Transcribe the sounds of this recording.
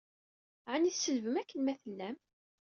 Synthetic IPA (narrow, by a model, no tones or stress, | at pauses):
ʕaniθsəlvəmækːənmæθəlːæm